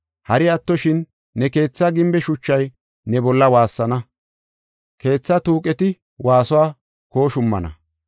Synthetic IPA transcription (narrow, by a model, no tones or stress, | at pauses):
hɐɾɪɐt̪ːɔʃɪnː | ɛke̞ːt͡sːaɡɪmbɛʃʊt͡ʃːɐj | nɛbɔlːɐwaːsːɐnɐ | ke̞ːt͡sːat̪uːkʼɛt̪ɪ | waːsɔwaː | ko̞ːʃʊmːɐ̰nɐ̰